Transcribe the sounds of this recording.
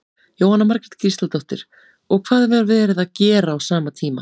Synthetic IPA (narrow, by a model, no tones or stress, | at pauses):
joːwhanːamaɾkɾɪt̪kʰɾist̪alt̪oht̪ɪ̰ɾ̥ | ɔɣkʰv̥aːðvɛɾvɛːɾɪðaðcɛːɾaːwsaːmat̪ʰiːma̰